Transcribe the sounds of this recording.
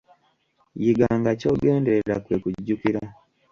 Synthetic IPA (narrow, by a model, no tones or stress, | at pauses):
jiɡaːŋɡaco̞ːɡe̞ːndeeɾakwe̞ːkuɟːukiɾa